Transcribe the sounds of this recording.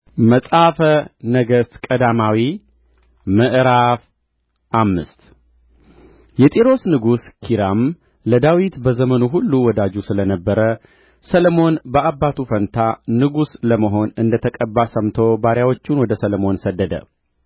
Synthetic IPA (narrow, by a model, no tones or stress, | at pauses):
məsʼafənəɡəst̪kʼəd̪amawi | məʔɾaf | ʔamːɨ̰st̪ | jɛt̪ʼeɾo̞snɨɡuskʰiɾam | ləd̪awit̪bəzəmənuɦulːuwɔd̪ad͡ʒusɨlənəbːəɾə | sələmo̞nbəʔabːat̪ʰufənt̪ʰanɨɡusləməɦo̞nɨnd̪ət̪ʰəkʼəbːasəmt̪ʰo̞baɾjawo̞t͡ʃːunwɔd̪əsələmo̞nsəd̪ːəd̪ə̰